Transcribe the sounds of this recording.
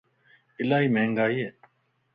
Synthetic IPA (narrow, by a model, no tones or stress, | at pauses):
ɪlaːiːmẽːŋɡaːiːeː